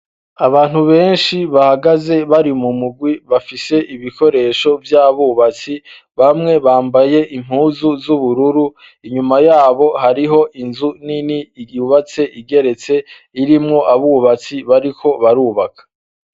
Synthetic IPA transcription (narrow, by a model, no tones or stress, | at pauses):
aβaːn̥huβe̞ːnʃiβahaɡaze̞βaɾimumuɡwiβafise̞ʔiβiko̞ɾe̞ːʃo̞vjaβuβat͡si | βamŋe̞βaːmbaje̞ʔim̥huːzuzuβuɾuɾu | iɲumajaːβo̞haɾiɦo̞ʔinzuninijuβat͡se̞ʔiɡe̞ɾe̞t͡se̞ | iɾimŋo̞ʔaβuːβat͡siβaɾikʰo̞βaɾuːβakḁ